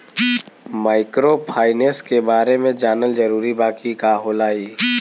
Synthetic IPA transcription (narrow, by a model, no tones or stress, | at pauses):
maːɪkɾopʰaːɪneːskebaːɾemẽd͡ʒaːnəld͡ʒɐɾuːɾibaːkikaɦoːlaːiː